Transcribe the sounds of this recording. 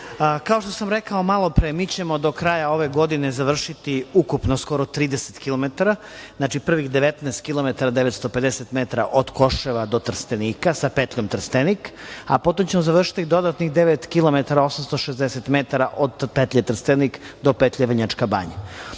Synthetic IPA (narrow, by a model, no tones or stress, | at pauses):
kaoʃt̪osamɾekao̞malˠo̞pɾemiːt͡ɕe̞mo̞d̪o̞kɾajao̞ʋe̞ɡo̞d̪inezaʋr̩ʃit̪iukupnosko̞ɾot̪ɾiːd̪eset̪kilomet̪aɾa | znat͡ʃipr̩ʋixd̪eʋet̪nɛːst̪̚kilˠo̞met̪aɾad̪eʋet̪st̪oped̪eset̪met̪aɾa̰ʔod̪ko̞ʃeʋad̪o̞t̪r̩st̪eniːkasapet̪ʎʲomt̪r̩st̪enika̰pot̪omt͡ɕe̞mozaʋr̩ʃi̥t̪id̪od̪at̪nixd̪eʋet̪kilˠo̞met̪aɾao̞samst̪oʃezd̪eset̪met̪aɾaʔod̪pet̪ʎʲet̪r̩st̪enikd̪o̞pet̪ʎʲeʋɲat͡ʃkaba̰ɲa̰